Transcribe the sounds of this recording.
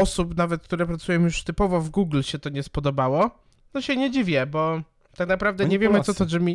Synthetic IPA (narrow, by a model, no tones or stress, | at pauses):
ɔsupnavɛt̪̚kt̪uɾɛpɾat̪sujɛmjuʂt̪ɘpɔvɔvɡuɡlɕɛt̪ɔɲɛspɔd̪ɔbawɔ | nɔɕɛɲɛd͡ʑivʲjɛbɔ | t̪aknapɾavd̪ɛɲɛvʲjɛmɘsɔt̪ɔʐɛmʲi